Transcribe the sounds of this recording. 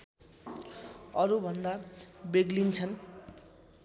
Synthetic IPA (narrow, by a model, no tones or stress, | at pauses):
ʌɾubʱʌnd̪abeɡlint͡sʰʌn